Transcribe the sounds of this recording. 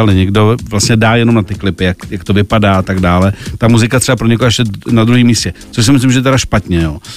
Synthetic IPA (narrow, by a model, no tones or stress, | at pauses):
alɛɲɛɡdo̞vlast̪ɲɛdaːjɛno̞mnat̪ɪklɪpɪjakjakt̪o̞vɪpadaːat̪aɡdaːlɛt̪amuzɪkat̪r̥ɛbapɾoɲɛkuaɛʃcɛnad̪ɾuɦiːmiːscɛt͡soʃs̬ɪmɪs̬lɪmʒɛɛt̪̬ɛɾaʃpat̪ɲɛjoː